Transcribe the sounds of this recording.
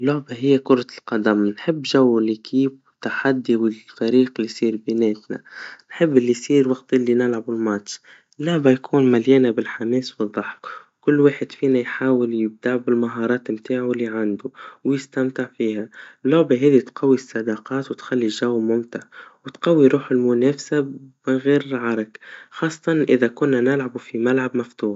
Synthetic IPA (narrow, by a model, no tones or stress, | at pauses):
lːʊʕbaɦɪjːækʊɾˤɑlqɑd̪amnħɪbːʒawːɪlːikiːb | t̪ːaħad̪ːiwɪfɑɾiːqɪlːisˤiːɾbɪnɛːt̪na̰nħɪbːʔɪlːisˤiːɾwɑqt̪ʔɪlːinɪlʕabɪlmɑtʃ | lːʊʕbajkʰuːnmaljɛːnabɪlħamɛːsbiðˤːɑħkwkʊlːwaːħɪd̪fiːnajħaːwɪljɪb̚d̪aʕbɪlmaɦɑːɾˤɑːt̪mt̪aːʕalːiʕand̪ʊwjɪst̪amt̪ɪʕfiːhalːʊʕbaɦɛːðit̪qɑwːist̪ːaʕd̪ɑːqɑːt̪wɪt̪xalːiʒawːmʊmt̪ɪʕwɪt̪qɑwːiɾuːħɪlmʊneːfsabɪɣeːɾʕɑɾˤɑkxɑːsˤːɑt̪ɑnʔɪðakʊnːanɪlʕabufimalʕabmaft̪uːħ